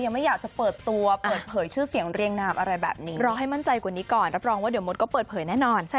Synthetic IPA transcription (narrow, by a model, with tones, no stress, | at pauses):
ja˧ŋma˥˩jaː˨˩k̚t͡ɕa˨˩pɤː˨˩t̪ːu˧ɐpʔaː˧˨˩pʰɤː˩˦jt͡ɕʰɯː˥˩si˨˩˦əŋɾi˧əŋnaː˧mʔa˧ɾa˧jbɛ̰ː˨˩p̚niː˦˥ɾɔː˧ɦa˥˩jma˥˩nt͡ɕa˧jkwa˨˩niː˦˥kɔː˨˩nɾa˦˥p̚ɾɔː˧ŋwaː˥˩di˩˦mo˦˥t̪̚kɔː˥˩pɤː˨˩t̪̚pʰɤː˩˦jnɛː˥˩nɔː˧nt͡ɕʰa˥˩